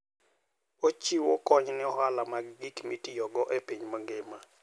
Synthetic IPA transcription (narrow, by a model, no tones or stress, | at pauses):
ot͡ʃiwokɔɲnɪɔɦalamaɡːikmitijɔɡɔʔepiɲmoŋɡema